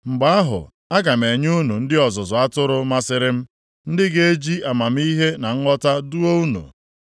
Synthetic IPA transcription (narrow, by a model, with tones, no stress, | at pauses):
ŋ͡m̩˨ɡ͡ba˦a˦ɦʊ̰˨ | a˦ɡa˨m̩˨e˨ɲ˦u˦nu˨n̩˦dɪ˦ɔ˨zʊ˨zʊ˨a˦tʊ˦ɾʊ˦ma˦sɪ˦ɾɪ˦m̩˦ | n̩˦dɪ˦ɡe˦e˦d͡ʒi˦a˨ma˨m̩˦i˦ɦe˦na˨ŋ̩˦ŋɔ˦ta˦du˦o˦u˦nṵ˨